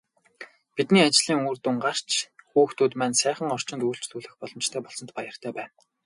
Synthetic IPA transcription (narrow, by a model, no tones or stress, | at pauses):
pit̪niːat͡ɕɮiːŋuːrt̪uŋɢar̥t͡ɕʰxuːxt̪ʰuːt̪mænsæːχə̆ŋɔr̥t͡ɕɪnt̪uːɬt͡ɕɮuːɮɘ̆xpɔɮɞ̆mt͡ɕt̪ʰæːpɔɮsɞ̆nt̪pajə̆r̥t̪ʰæːpæːn